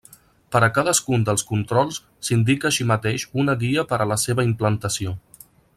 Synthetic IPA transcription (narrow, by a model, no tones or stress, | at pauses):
pəɾəkaðəskund̪əlˠskunt̪ɾɔlˠs | sind̪ikəːʃimət̪eʃunəɣiəpəɾələseβəimplənt̪əsio